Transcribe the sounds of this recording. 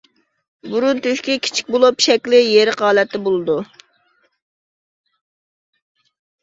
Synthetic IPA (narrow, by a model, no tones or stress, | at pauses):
buɾunt̪yʃkʲikʲʰi̥t͡ʃʰi̥k̚ʲbolˠupʃɛkʲlɪjeɾɪqɑːlˠɛt̪ʰːɪbolˠɨd̪u